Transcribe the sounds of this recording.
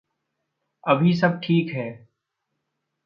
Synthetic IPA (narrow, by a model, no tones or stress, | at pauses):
ɐbʱisɐb̚ʈʰiːkɦɛː